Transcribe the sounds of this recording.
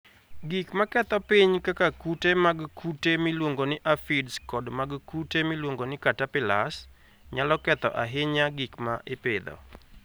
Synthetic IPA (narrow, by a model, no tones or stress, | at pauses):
ɡikmakɛt̪ɔpiɲkakakutemaɡkutemilwoŋɡonɪʔafɪdskɔdmaɡkutemilwoŋɡonɪkatapɪla̰s | ɲalɔkɛt̪ɔ̰ʔa̰ɦɪɲaɡikmaʔɪpɪd̪ɔ̰